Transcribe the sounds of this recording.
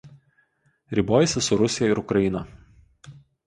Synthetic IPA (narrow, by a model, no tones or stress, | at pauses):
ɾʲiːboːjɛsʲɪsʊɾʊsʲɪjɛɪɾʊkɾɐɪnɐ